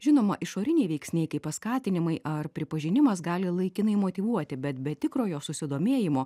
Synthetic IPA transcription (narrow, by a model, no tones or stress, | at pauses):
ʒʲɪnoːmɐʔɪʃoːɾʲɪnʲɛɪʋʲɛɪksʲnʲɛɪkɐɪppɐskɑːt̪ʲɪnʲɪmɐɪʔɐrpʲɾʲɪpɐʒʲɪnʲɪmɐsɡɑːlʲɪlˠɐɪkʲɪnɐɪmoːt̪ʲiʋuɔt̪ʲɪbʲɛt̪bʲɛt̪ʲɪkɾoːjoːsʊsʲɪd̪oːmʲeːjɪmoː